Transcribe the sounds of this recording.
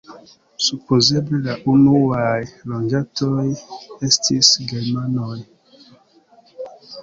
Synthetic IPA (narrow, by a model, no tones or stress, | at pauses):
supʰozeblelaʔunuwajlɔ̃nd͡ʒatɔɛstʰisɡɛmanɔj